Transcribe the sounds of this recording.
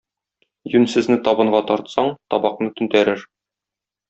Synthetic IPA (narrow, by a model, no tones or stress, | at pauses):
jʉnsɘ̆znɘt̪ɒbɤ̆ɴɢɑt̪ɒɾt̪sɑɴt̪ɒbɑqnɤt̪ɵ̆nt̪æɾɘɾ